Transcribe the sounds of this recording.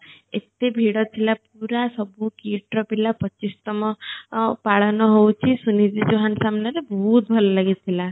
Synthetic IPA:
ḛt̪ebʱiɽɔt̪ʰilap̚uɾasɔbukiʈɾɔpilapɔt͡ʃist̪ɔmɔpaɭɔnɔɦowt͡ʃʰisunid͡ʒid͡ʒoɦansamnaɾebɔɦut̪̚bʱɔlɔlaɡit̪ʰila

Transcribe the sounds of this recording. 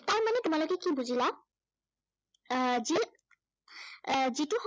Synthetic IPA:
taɹmanɛtʊmalokɛkibuzila | zi | zitʊx

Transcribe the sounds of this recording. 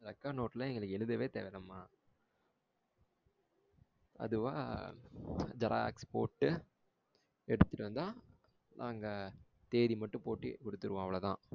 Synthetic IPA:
ɐɾɐkːanoːʈːlɐɛŋɡɐɭɯkːɛɻɯðɐʋeːt̪eːʋɪɾɐmːaː | ɐ̰ðɯʋa̰ː | d͡ʒɐɾʔa̰ːḛkspo̰ːʈːɯ | ɛɽɯt̪ːɯʈɯɾɐnd̪aː | nʔaːŋɡɐ | t̪eːðimɐʈːɯ̃poːʈːḭkɔɽɯt̪ːɯɾɯʋãːɐʋɐɭɐt̪ãː

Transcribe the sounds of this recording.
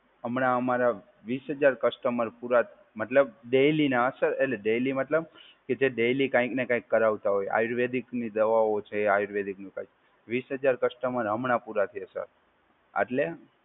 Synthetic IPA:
əmɳaəmaɾa | ʋisɦəd͡ʒaɾkəsʈəməɾpuɾat̪ʰ | mət̪ləb̚ɖejlinaəsəɾḛʈleɖejlimət̪ləb | ked͡ʒeɖejlikãĩknekãĩkːəɾaʋt̪aɦoja̰juɾʋed̪ʱiknid̪əʋaot͡ʃʰeajuɾʋed̪ʱiknũkajt͡ʃ | ʋisɦəd͡ʒaɾkəsʈəməɾɦəmɳapuɾat̪ʰiesə̰ɾ | ə̰ʈle

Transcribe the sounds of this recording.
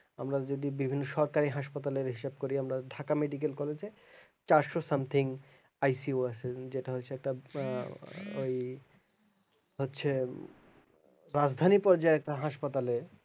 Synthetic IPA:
amɾad͡ʑod̪ibibʱinːoʃɔɾkaɾiɦaʃpat̪aleɾɦiʃab̚koɾiamɾaɖʱakameɖik̬elkɔled͡ʑe | t͡ɕaɾʃosamt̪ʰiŋ | ajsioat͡ɕʰed͡ʑeʈaɦotːɕʰeɛk̚ʈa | o̰j | ɦotːɕʰe | ɾad͡ʑd̪ʱanipɔɾd͡ʑaeɛk̚ʈaɦaʃpat̪ale

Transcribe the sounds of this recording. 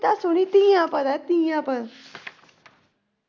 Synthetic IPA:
t̪asonit̪ĩjãpəd̪at̪ĩjãpə

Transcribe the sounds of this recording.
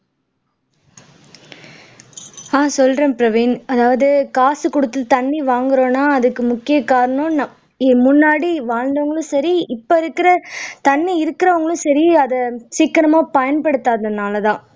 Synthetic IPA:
aːsɔlɾẽːpɪɾɐʋiːnɐðaːʋɐðɯkaːsɯkɔɽɯt̪ːɯt̪ɐɳːiʋaːŋɡɪɾõːnaːɐðɯkːɯmʊkːɪjɐkːaːɾɐɳɐ̃nɐ | imʊnːaːɽiʋaːɻnd̪ɐʋɐŋɡɐɭɯ̃sɐɾiɪpːoɪɾɯkːɪɾɐt̪ɐnːiɪɾɯkːɪɾɐʋɐŋɡɐɭɯ̃sɐɾiɐðɐsiːkːɐɾɐmaːpɐjɐnpɐɽɯt̪ːaːðɐnaːlɐðãː

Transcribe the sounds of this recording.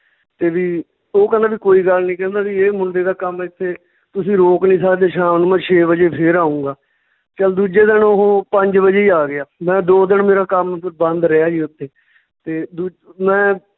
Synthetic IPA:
t̪eːʋiː | oːkɛ̃ːnd̪aːbiːkoːiːɡəlnĩːkɛ̃ːnd̪aːʋiːeːmʊɳɖ̪eːd̪aːkəmɛɪt̪ʰːeː | t̪ʊsĩːɾoːknĩːs̬aːd̪eːʃãːmnũːmɛ̃ːt͡ʃʰeːbəd͡ʒeːpʰɪɾaːũːɡaː | t͡ʃəld̪uːd͡ʒeːd̪ɪnoɦõːpəɲd͡ʒbəd͡ʒeːiːaːɡɪaːmɛ̃ːd̪oːd̪ɪnmeːɾaːkəmpʰɾbə̃nd̪ɾəjaːd͡ʒiːʊt̪ːeː | t̪eːd̪uː | mɛ̃ː

